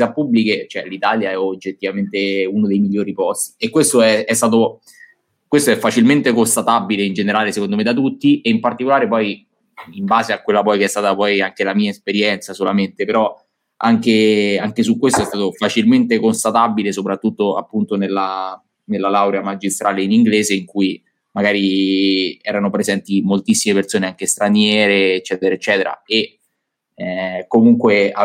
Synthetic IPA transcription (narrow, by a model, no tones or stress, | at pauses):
apubliket͡ʃoɛlit̪aːljaɛod͡ʒːet̪ːivament̪eunod̪ejmilʎjːoːɾipɔst̪i̥ekːwest̪oɛɛst̪aːt̪̬o | kwest̪oɛfːat͡ʃilment̪ekost̪at̪abileind͡ʒeneɾaːlesekond̪omed̪at̪̬ut̪ːiʔeimpart̪ikolaːɾepɔj | imbaːzeakːwelːapɔjkeɛst̪aːt̪apɔjaŋk̟elamiːaespeɾjɛnt̪sasolament̪epeɾɔ | aŋk̟eaŋkesukːwest̪oɛst̪aːt̪ofat͡ʃilment̪ekonst̪at̪abilesopɾat̪ːut̪ːoa̰pːunt̪onelːa | nelːalawɾeamad͡ʒist̪ɾʔaːleiniŋɡleːzeiŋkui | maɡaːɾi | ɛːɾanopɾezɛnt̪imolt̪isːimepersoːneaŋk̟est̪ɾanjɛːɾeːt͡ʃːɛːt̪eɾaet͡ʃːɛːt̪eɾa̰e | ɛkːomuŋkwea